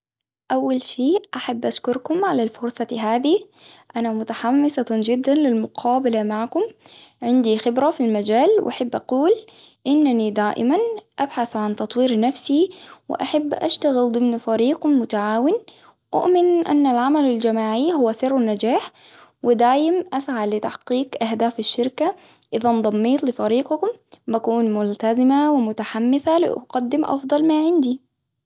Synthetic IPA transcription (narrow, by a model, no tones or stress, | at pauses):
ʔawːalʃiːʔaħabːʔaʃkʊɾkʊmʕalalfʊɾsˤɑɦaːd̪i | ʔanamʊt̪aħamːɪsɑd͡ʒɪd̪ːanlɪlmʊqʰɑːbalamaʕkʊm | ʕɪnd̪ixɪbɾafilmad͡ʒaːlwʔa̰ħabːʔa̰quːl | ʔɪnːanid̪aːʔɪ̰manʔabħaθʕant̪ɑt̪ˤwiːɾnafsiwɪ̰ʔaħabːʔa̰ʃt̪aɣɪld̪ˤɨmnfaɾiːqmʊt̪aʕaːwɪn | ʔʊ̰ʔmɪnʔa̰nːalʕamalald͡ʒamaːʕihʊwːasɪrːnːad͡ʒaːħ | wɪd̪aːjɪmʔasʕalɪt̪aħqiːkʔaɦd̪aːfaʃːɪɾka | ʔɪðɑnd̪ˤɑmːiːt̪ˤlɪfaɾiːqkʊmbakuːnmʊlt̪azɪmawɪmʊt̪aħamːɪθalɪ̰ʔqɑd̪ːɪmʔɑ̰fd̪ˤɑlmaːʕɪnd̪i